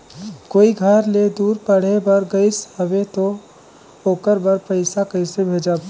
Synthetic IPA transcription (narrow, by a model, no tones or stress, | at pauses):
koːiɡʱəɾled̪uːɾpəɽ̤ebəɾɡəɪsɦəʋet̪o | oːkəɾbəɾpəɪsakəɪsebʱeːd͡ʒab